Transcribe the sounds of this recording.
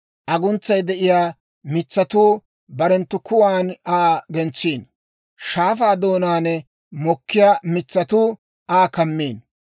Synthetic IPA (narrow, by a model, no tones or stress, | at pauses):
ʔɐɡʊnt͡sːɐjd̪ɛʔɪjaː | mɪt͡sːɐt̪uː | bɐɾɛnt̪ːʊkʊwaːnaːɡɛnt͡sːiːn | ʃaːfaːd̪oːnaːnɛ | mɔkːɪjaːmɪt͡sːɐt̪uː | ʔaːkɐmːiːn